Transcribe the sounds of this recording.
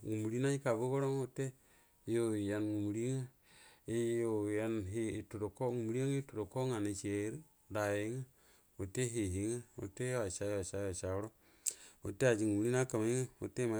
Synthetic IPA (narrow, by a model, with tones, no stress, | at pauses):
ŋu˨mu˨ɾi˦na˦i˦ka˨bo˦ɡo˦ɾo˦ŋo˨te˦ | jo˨ja˨nŋu˨mu˨ɾi˦ŋa˦ | e˦jo˨ja˦nɦi˨to˨do˨ko˦ŋu˨mu˨ɾi˦a˦ŋe˦to˨ɾo˨ko˦ŋa˨na˨t͡ʃe˨˦ɾi˦ | da˨je˦ŋa˦ | o˨te˦ɦe˨ɦi˨˦ŋa˦o̰˨te˦ja˨ʃa˦jo˦a˨t͡ʃa˦ja˨t͡ʃa˨o˦ɾo˦ | o̰˨te˦a˨d͡ʒi˨ŋu˨mu˨ɾi˦n˦a˦ka˨ma˨i˦ŋa˦o̰˨te˦ma˨